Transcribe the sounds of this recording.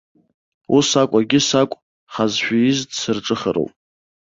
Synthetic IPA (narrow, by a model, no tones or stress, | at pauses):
usakʷʼaɡʲɪsakʷʼ | χazʃᶣaɪzdsɨrʈ͡ʂʼɨχə̰ɾo̰wpʼ